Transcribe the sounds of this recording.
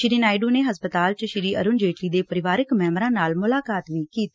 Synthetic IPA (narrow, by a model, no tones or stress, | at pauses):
ʃɪɾiːnaːɪɖuːneːɦəspət̪aːlt͡ʃəʃɪɾiːʔə̰ɾʊnd͡ʒeːʈliːd̪eːpəɾɪʋaːɾɪkmɛːmɾãːnaːlmʊlaːkaːt̪ʋiːkiːt̪i